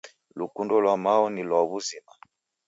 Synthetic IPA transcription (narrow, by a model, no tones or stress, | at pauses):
lukundɔlwamaɔnilwaβuzima